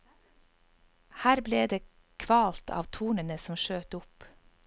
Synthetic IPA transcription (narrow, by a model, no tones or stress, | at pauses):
hæːɾbleːd̪eː | kʰʋɑːlt̪ʰɑ̰ːʋt̪ʰuːɳənəsɔmʃøːt̪ʊp